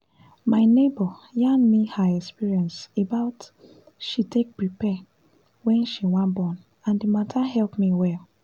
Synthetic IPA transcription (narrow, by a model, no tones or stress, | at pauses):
maɪnebɔjãnmihaɛkspiɹiɛ̃nsebaʊt | ʃitek̚pɹipɛ | wɛ̃nʃiwãnbɔ̃n | ãndimatʰaɦɛlpmiwɛl